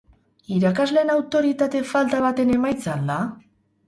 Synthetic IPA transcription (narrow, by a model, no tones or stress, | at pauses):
iɾakazle̞ːnawt̪o̞ɾit̪at̪e̞falt̪aβ̞at̪e̞ne̞majt͡sala